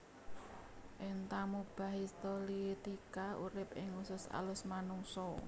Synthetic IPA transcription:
ʔɪnt̪amub̥a̤ɦist̪ɔlit̪ikauɾɪpɪŋusʊsa̰lʊsmanuŋsɔ

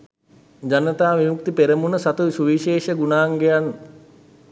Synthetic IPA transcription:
d͡ʑanət̪aːʋimuk̚t̪ipeɾəmunəsat̪uʋsuʋiʃeːʃəɡunaːŋɡejan

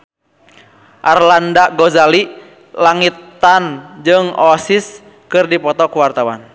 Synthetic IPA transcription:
ʔarlandaɡɔzali | laŋit̪ːand͡ʒɨŋɔsis | kɨrdipɔt̪ɔkuwart̪awan

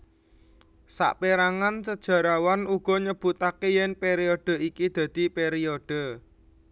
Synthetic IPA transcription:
sa̰ʔpeɾaŋansəd̥ʒ̥a̤ɾawanuɡ̥ɔ̤ɲəb̥ṳt̪akejɛnpeɾioɖ̥ə̤ikid̪̥ä̤d̪̥i̤peɾioɖ̪̥ə̤

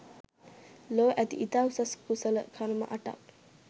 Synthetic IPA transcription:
loːʔæt̪ḭʔit̪awsaskusələkʰaɾmə̰ʔaʈa̰k

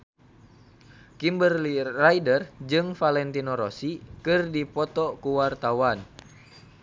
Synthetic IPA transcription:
kimbərliraidərd͡ʒɨŋfalɛnt̪inɔɾosikɨrdipɔt̪ɔkuwart̪awan

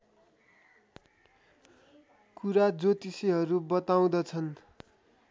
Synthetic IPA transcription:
kuɾad͡zot̪isiɦʌɾubʌt̪aw̃d̪ʌt͡sʰʌn

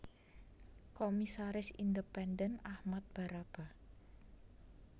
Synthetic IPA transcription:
komisaɾɪsḭndəpɛndənahmat̪̚b̥a̤ɾab̥a̤

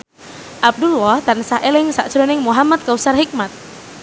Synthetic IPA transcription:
ʔab̚dulwɔhd̪ansaʔɛlɪŋsaʔt͡ʃəɾɔnɪŋmuɦamat̪̚kausarɦik̚mat̪̚

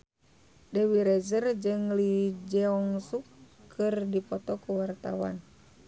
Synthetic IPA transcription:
dɛwiɾɛzərd͡ʒɨŋlid͡ʒɛɔŋsukʰːɨrdipɔt̪ɔkuwart̪a̰wa̰n

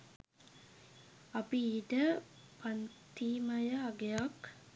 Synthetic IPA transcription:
ɐpiiːʈə | pant̪iːmajəɐɡejak

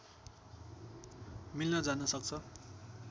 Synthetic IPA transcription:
milnʌd͡zanʌsʌk̚t͡sʰʌ

